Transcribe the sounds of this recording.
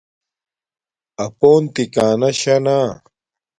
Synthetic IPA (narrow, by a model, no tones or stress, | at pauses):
ɐpoːnt̪ikaːnɐɕɐnaː